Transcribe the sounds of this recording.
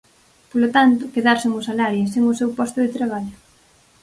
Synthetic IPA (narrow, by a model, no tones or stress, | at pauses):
polot̪ant̪ʊkeðaɾsɪŋʊsalaɾjeseŋʊsewpɔst̪ʊðet̪ɾaβ̞aʎʊ